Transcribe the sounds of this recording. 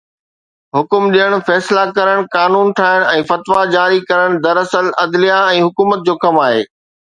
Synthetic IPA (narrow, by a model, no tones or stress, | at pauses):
ɦʊkʊmɗijəɽ̃fɛːslakɐɾəɽ̃kaːnuːnʈ̪ʰaːɦɪɽ̃ɛ̃ːfɐt̪ʋad͡ʑaːɾikɐɾəɽ̃d̪ɐɾɐsəlɐd̪lijaɛ̃ːɦʊkuːmət̪̚d͡ʑoːkɐmaːɦḛː